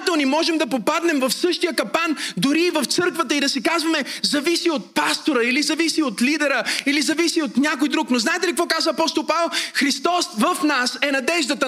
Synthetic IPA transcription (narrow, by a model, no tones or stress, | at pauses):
t̪ɛlˠnimɔʒɛmd̪ɐpopad̪nɛmvɐfsɤʃt̪ijəkɐpand̪ʊɾiːvɐft̪sɤɾkvət̪əid̪ɐsɛkazvɐmɛzɐvisiot̪̚past̪oɾəilizɐvisiot̪lid̪ɛɾəilizɐvisiot̪nʲjakojd̪ɾuknoznaɛt̪ɛlikvɔkazvəːpɔst̪olˠpavɛlˠxɾist̪ɔsvəfnasɛnɐd̪ɛʒd̪ət̪ə